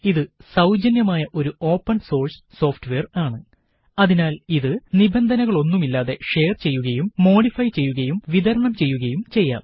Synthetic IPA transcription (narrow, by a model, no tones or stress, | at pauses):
iðɨsɐwd͡ʑɐnjɐmaːjɐʔo̞ɾuo̞ːpːɐɳso̞ːrs | so̞ːfʈɨʋe̞ːraːɳɨ | ɐðinaːliðɨnibend̪ʱɐnɐɣɐɭo̞nːumilːaːðe̞ʂe̞ːrt͡ɕe̞jːuɣɐjumːo̞ːɽifɐjt͡ɕe̞jːuɣɐjumʋiðɐɾɐɳɐmt͡ɕe̞jːuɣɐjumt͡ɕe̞jːa̰ːm